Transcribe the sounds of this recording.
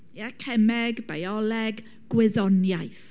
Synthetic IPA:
iakʰɛmɛɡbajɔlɛɡ | ɡ̥wɪðɔnjajθ

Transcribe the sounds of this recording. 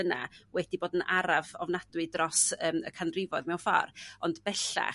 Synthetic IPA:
əna̰wɛdiboːdənʔaɾavɔvnad̥wɨdrɔsəːmə̰kʰanrɪvɔðmɛwfɔ̰rɔndbɛɬa̰

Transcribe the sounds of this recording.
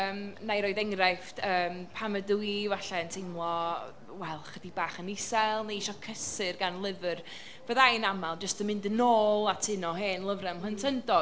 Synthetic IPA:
əmnajɾoɨðɛŋrɛftəːmpʰaməduivaɬɛəntʰejmlˠɔ | wɛlˠχədibaːχənɪsɛlˠnaiʃɔkʰəsɨrɡanlˠɪvɨr | v̥əðajnamalˠd͡ʒəstəmɪndənoːlˠatʰɪnɔɦeːnlˠəvrɛmləntʰəndɔ

